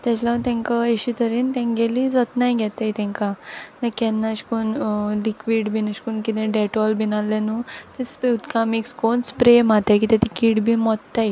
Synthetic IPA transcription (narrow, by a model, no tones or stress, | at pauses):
t̪ɛt͡ɕlat̪ɛ̃ŋkaeɕit̪ʰəɾiːnt̪ɛ̃ŋɡelid͡zɔt̪najɡʱɛt̪ejt̪ɛ̃ŋkanakɛnːaɕkunlikʋiɖbʱinəɕkunkit̪ɛ̃ɖɛʈɔlbinalːenuːt̪ispeut̪kamikskonspɾemat̪akiːt̪at̪ikiːɽbʱiːmɔt̪ːaj